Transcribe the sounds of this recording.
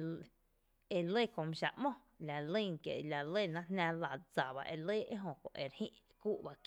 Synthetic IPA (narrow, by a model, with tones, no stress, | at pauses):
e˧le˦˨kõ˨mẽ˧ʃa̰˨ʔmõ˦ | la˨lə˦˨ŋ˧kjḛ˨ʔla˨le˦˨nã˦ɦnã˧la˧˨d͡za˨ba̰˧ʔe˧leː˦e˦ɦõ˧kõ̰˨ʔe˨ɾhḭ̃˦ʔ | ku˦ʔba˧k